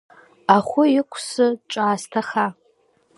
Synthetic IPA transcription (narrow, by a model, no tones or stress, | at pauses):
aχʷʊɪkʷʰsɨʈ͡ʂʷʼaːstʰaχa